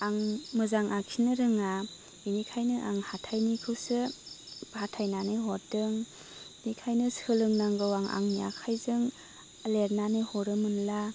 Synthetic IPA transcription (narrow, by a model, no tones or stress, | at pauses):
aŋmɯzaŋʔakʰinɯɾɯŋa | inikʰajnɯʔaŋhatʰajnikʰɯwsɯbhatʰajnanɯɦɔɾdɯŋ | nikʰajnɯshɯlɯŋnaŋɡɯwaŋa̰ŋnija̰kʰajzɯŋ | leɾnanɯhɔɾɯmɯnla